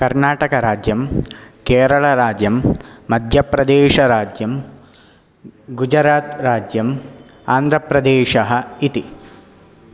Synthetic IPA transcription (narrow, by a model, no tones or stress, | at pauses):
kɐɾnaːʈɐkɐɾaːd͡ʒjɐmkeːɾɐɭɐɾaːd͡ʒjɐmːɐd̪ʱjɐpɾɐd̪eːʂɐɾaːd͡ʒjɐm | ɡud͡ʒɐɾaːt̪ɾaːd͡ʒjɐm | aːnd̪ʱɾɐpɾɐd̪eːʂɐɦɐit̪i